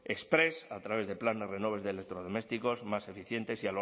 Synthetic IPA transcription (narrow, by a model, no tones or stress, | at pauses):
e̞kspɾe̞sat̪ɾaβe̞zðe̞pland̪ere̞no̞β̞e̞ðelek̚t̪ɾo̞ð̞o̞me̞st̪iko̞zmase̞fiθje̞nt̪e̞sial